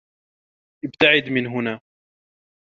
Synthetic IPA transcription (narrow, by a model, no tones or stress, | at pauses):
ʔɪb̚t̪aʕɪd̪mɪnɦʊnaː